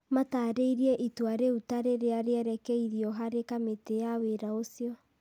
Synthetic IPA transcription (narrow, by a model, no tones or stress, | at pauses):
mataːɾeiɾiɛʔitwaɾeutaɾeɾeaɾeɛɾɛkɛiðjɔɦaɾekametejaweɾaosjɔ